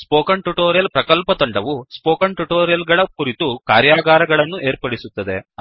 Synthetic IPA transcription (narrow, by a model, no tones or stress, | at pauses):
spoːkɐɳʈuʈoːɾijɐlpɾɐkɐlpɐt̪ɐɳɖɐʋuspoːkɐɳʈuʈoːɾijɐlɡɐɭɐkuɾit̪ukaːɾjaːɡaːɾɐɡɐɭɐnːuʔeːɾpɐɽisut̪ːɐd̪e̞